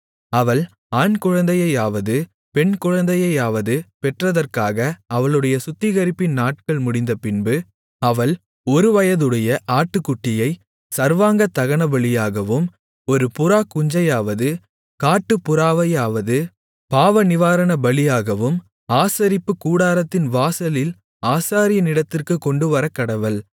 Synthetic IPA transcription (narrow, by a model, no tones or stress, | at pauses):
ɐʋɐɭ | aːnkʊɻɐnd̪ɐjɐɪaːʋɐðɯ | pɛɳkʊɻɐnd̪ɐjɐjaːʋɐðɯpɛʈrɐðɐrkaːɣɐɐʋɐɭɯɽɐjɐsʊt̪ːɪɣɐɾɪpːɪnnaːʈ̚kɐɭmʊɽɪnd̪ɐpɪnbɯ | ɐʋɐɭ | ɔɾɯʋɐjɐðɯɽɐjɐʔaːʈːɯkːʊʈːɪjɐɪ | sɐɾʋaːŋɡɐt̪ːɐɣɐɳɐbɐɭɪjaːɣɐʋɯm | ɔɾɯpʊɾaːkːʊɲd͡ʒɐjaːʋɐðɯ | kaːʈːɯpːʊɾaːʋɐjaːʋɐðɯ | paːʋɐnɪʋaːɾɐɳɐbɐɭɪjaːɣɐʋɯm | aːsɐɾɪpːɯkuːɽaːɾɐt̪ːɪnʋaːsɐlɪl | aːsaːɾɪjɐnɪɽɐt̪ːɪrkɯkːɔɳɖɯʋɐɾɐkːɐɽɐʋɐɭ